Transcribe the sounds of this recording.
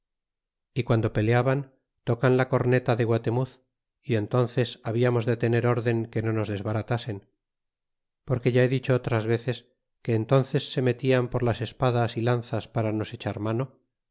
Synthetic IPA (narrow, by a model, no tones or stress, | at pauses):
ikwand̪o̞pe̞leaβan | t̪o̞kanlako̞ɾne̞t̪aðeɣwat̪e̞muθ | ie̞nt̪o̞nθe̞saβ̞iamo̞zðet̪e̞ne̞ɾo̞ɾðe̞ŋke̞no̞no̞zðe̞zβaɾat̪ase̞n | po̞ɾke̞ʝae̞ðit͡ʃoot̪ɾazβe̞θe̞s | ke̞ːnt̪o̞nθe̞sːe̞me̞t̪iampo̞ɾlase̞spaðasilan̟θaspaɾano̞se̞t͡ʃaɾmano̞